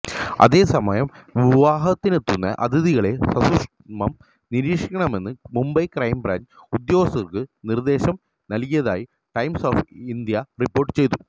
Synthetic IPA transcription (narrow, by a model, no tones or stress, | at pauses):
ɐ̰ðe̞ːsɐmɐjɐmʋiiʋaːɦɐt̪ːinet̪ːunːɐ̰ʔɐ̰d̪iðiɣɐɭe̞sɐsuʂ | mɐm | niɾiːʂikʲːɐɳɐme̞nːɨmumbɐjkrɐjmbra̰ːn | ud̪jo̞ːɣsɐrkɨnird̪e̞ːɕɐm | nɐlkijɐða̰ːji | ʈɐjmsoːfind̪jɐripːo̞ːrʈːɨt͡ɕe̞jt̪u